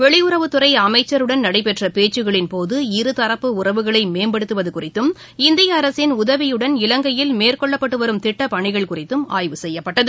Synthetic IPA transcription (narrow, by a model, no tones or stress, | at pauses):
ʋɛɭɪjʊɾɐʋɯt̪ːɯrɐɪɐmɐɪt͡ʃːɐɾɯɽɐnnɐɽɐɪpɛʈrɐpeːt͡ʃːɯɣɐɭɪnpoːðɯɪɾɯt̪ɐɾɐpːɯʊrɐʋɯɣɐɭɐɪmeːmbɐɽɯt̪ːɯʋɐðɯkʊrɪt̪ːɯm | ɪnd̪ɪjɐːɾɐsɪnʊðɐʋɪjɯɽɐnɪlɐŋɡɐjɪlmeːrkɔɭːɐpːɐʈːɯʋɐɾɯmt̪ɪʈːɐpɐɳɪɣɐɭkʊrɪt̪ːɯma̰ːjʋɯsɛjːɐpːɐʈːɐðɯ